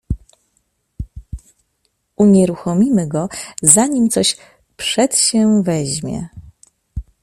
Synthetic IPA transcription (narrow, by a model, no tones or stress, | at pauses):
uɲɛɾuxɔmʲimɘɡɔzaɲimt̪sɔɕ | pʂɛt̪ɕɛvɛʑmʲjɛ̰